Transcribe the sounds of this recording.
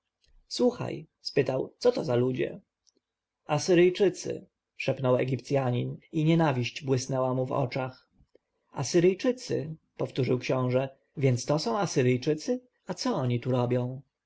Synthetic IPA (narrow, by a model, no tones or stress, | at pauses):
swuxa̰j | spɘt̪awt̪sɔt̪ɔzalud͡ʑɛ̰ | asɘɾɘjt͡ʂɘt̪sɘ̰ | ʂɛpnɔwɛ̰ɡʲipt̪sʲjaɲiniɲɛnavʲiɕt͡ɕbwɘsnɛwamuvɔ̰t͡ʂax | a̰sɘɾɘjt͡ʂɘt̪sɘ̰ | pɔft̪uʐɘwkɕɔ̃w̃ʐɛ | vʲjɛnt̪st̪ɔsɔ̃w̃asɘɾɘjt͡ʂɘt̪sɘ | at̪sɔɔɲit̪uɾɔbʲjɔ̃w̃